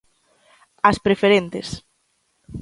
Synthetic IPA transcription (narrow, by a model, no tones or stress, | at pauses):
ɐspɾefeɾent̪es